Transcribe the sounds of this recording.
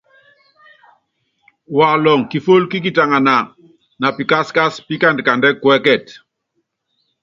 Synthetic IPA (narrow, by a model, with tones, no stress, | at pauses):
wa˨lɔ˨ŋki˨fo˦lki˦k̬i˨ta˨ŋa˨na˨ | na˨pi˨ka˦ska˦spi˦ka˦ndka˨ndɛ˦kwɛ˦kɛ˦˨t